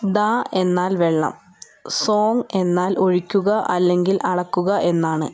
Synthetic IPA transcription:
d̪ae̞nːaːlʋeɭːɐ̰m | so̞ːŋe̞nːaːlo̞ɻikʲːuɣɐʔɐlːe̞ŋɡilʔɐɽɐkːuɣɐʔe̞nːaːɳɨ

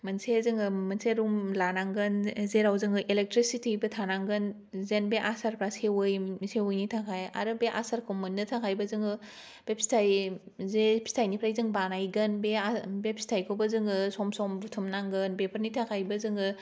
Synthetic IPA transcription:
mɐnsezɯŋɡɯmɐnseɾumlanaŋɡɯnzeɾawzɯŋɡɯʔelek̚tɾisitʰibɯtʰanaŋɡɯn | zenbeʔasaɾpʰɾasewɯjmsewojnitʰakʰaja̰ɾɯbeʔa̰saɾkʰomunːɯtʰakʰajbɐzɯŋɡɯ | b̥epsi̥tʰaj | zepsi̥tʰajnipʰɾajzɯŋbanajɡɯnbeabepsi̥tʰajkʰowbɐzɯŋɡɯsɔmsɔmɾutʰɯmnaŋɡɯnbepʰəɾnitʰakʰajbɐzɯŋɡɯ

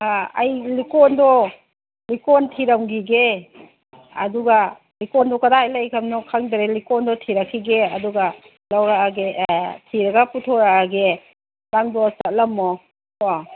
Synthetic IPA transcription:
a̰jlikɔndɔ | likɔntʰiɾawɡiɡe | ɐ̰duɡa | likɔndɔkadajlajkʰamnɔkʰaŋdaɾelikɔndɔtʰiɾakʰiɡeɐduɡa | lawɾaaɡetʰiɾaɡaputʰɔɾaaɡe | laŋdɔsat̚lɐmːɔ | ɔ

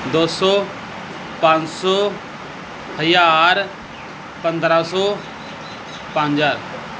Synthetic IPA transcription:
d̪oːsɔ | pãːɲsɔ | həjaɾ | pənd̪ɾaːsɔː | pãːɲd͡ʒaːɾ

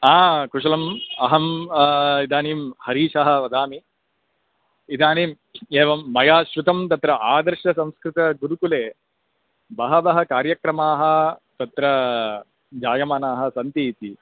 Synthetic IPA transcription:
aːkuʂɐlɐmɐɦɐm | id̪aːniːmhɐɾiːʃɐɦɐ̆ʋɐd̪aːmi | id̪aːniːm | eːʋɐmːɐjaːʃɾut̪ɐmt̪ɐt̪ɾɐʔaːd̪ɐɾʃɐsɐ̃mskɾɪt̪ɐɡuɾukuleː | bɐɦɐbɐɦɐkaːɾjɐkɾɐmaːɦɐ̆t̪ɐt̪ɾɐ | d͡ʒaːjɐmaːnaːɦɐ̆sɐnt̪it̪i

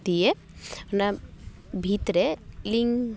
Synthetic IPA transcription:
t̪ije | nɐ | bʱit̪ɾeliŋɡ

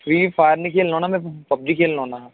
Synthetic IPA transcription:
fɾiːfaːɾnikʰeːlnɔːnamɛ̃pɐb̚d͡ʒikʰeːlnoːna

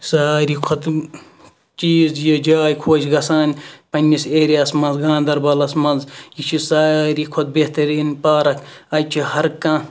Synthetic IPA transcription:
saːɾikʰot̪ | t͡ʃiːzjid͡ʒaːjkʰoːt͡ʃʰʲɡɐsaːnʲpɐnʲːiseːɾiaːsmɐnzɡãːnd̪ɐɾbɐlɐsmɐnzjit͡ʃʰisaːɾikʰot̪̚beht̪ɐɾiːnpaːɾɐkɐjt͡ʃʰihɐɾkãː

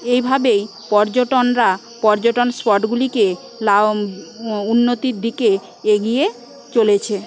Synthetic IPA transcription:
ejbʱabej | pɔɾd͡ʑoʈonɾa | pɔɾd͡ʑoʈonspɔʈɡulike | la | unːot̪iɾd̪ike | eɡie | t͡ɕolet͡ɕʰe

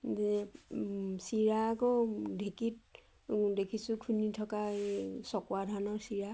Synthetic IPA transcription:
zɛ | siɹaːkɔdʱekit | dekʰisʊkʰunitʰɔkaesɔkwadʱanɔɹsiɹa

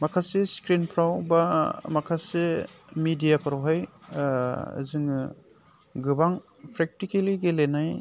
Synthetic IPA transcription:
makʰaseskɾinpʰɾawbamakʰasemidijapʰaɾawɦaj | zɯŋ | ɡɯbaŋ | pʰɾek̚tikeliɡelenaj

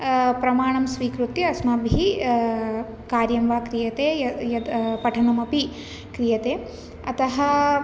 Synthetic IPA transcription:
pɾɐmaːɳɐmsʋiːkɾut̪iɐsmaːbʱɦi | kaːɾjɐmʋaːkɾijɐt̪eːɐjɐd̪pɐʈʰɐnɐmɐpi | kɾijɐt̪eː | ɐt̪ɐɦɐ

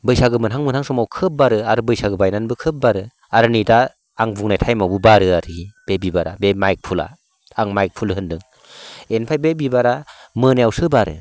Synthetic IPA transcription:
bɯjsaɡɯmɯnɦaŋmɯnhaŋsɔmawkʰɯp̚baɾɯaɾɯbɯjsaɡɯbajnanbɯkʰɯp̚baɾɯ | aɾɯnidaː | ŋbuŋnajtʰajmawbɯbaɾɯaɾɯib̥ebibaɾa̰bemajk̚pʰula̰ | aŋmajk̚pʰulɦɯndɯŋ | enpʰajbebibaɾamɯnajawsɯbaɾɯ̰

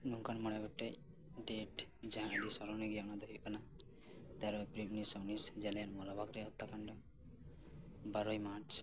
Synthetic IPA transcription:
nuŋkanmɔɽaɡɔʈːej | ɖeʈd͡ʒɛɦãɖisɔɾɔneɡijaɔnad̪ɔɦikana | t̪ɛɾɔpɾibnisɔwnisd͡ʒɛlanmɔlabʱakɾɛɔt̪ːakaɳɖɔ | baɾɔjmaɾt͡ʃ

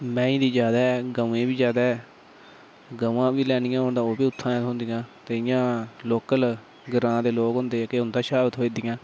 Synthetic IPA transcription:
mɛ̃ːĩːd̪iːd͡ʒjaːd̪aːɛɡəẽːbiːd͡ʒjaːd̪aːɛː | ɡəʋãːʋiːlɛːnɪjãːɦʊnd̪ãːoːbiːʊt̪ʰːãːɦʊ̃nd̪ɪjãːt̪eːɪjãːloːkəl | ɡəɾãːd̪eːloːkɦʊ̃nd̪eːɛːkeːɦʊnd̪aːʃaːbət̪ɦoːiːd̪ɪːjãː

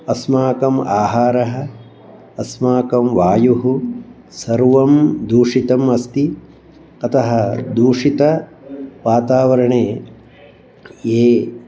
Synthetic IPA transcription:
ɐsmaːkɐmaːɦaːɾɐɦɐː | smaːkɐmʋaːjuɦu | sɐɾʋɐmd̪uːʂit̪ɐmɐst̪i | ɐt̪ʰɐɦɐd̪uːʂit̪ɐ | ʋaːt̪aːʋɐɾɐɳeː | eː

